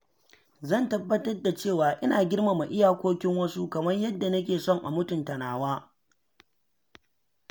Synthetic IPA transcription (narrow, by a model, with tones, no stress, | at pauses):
zɐ˦˨ntɐ˦bːɐ˦tɐ˦rda˨t͡ʃeː˦˨waː˨ʔɪ˦naː˨ɡʲɪ˦rma˨ma˨ʔɪ˦jaː˨kʷoː˦kʲɪ˦ŋwɐ˦su˦kɐ˨mɐ˦rjɐ˦dːa˨nɐ˦k̬ʲeː˨sɔ˦˨ŋʔa̰˨mʊ˦tʊ˨ntɐ˨naː˨waː˦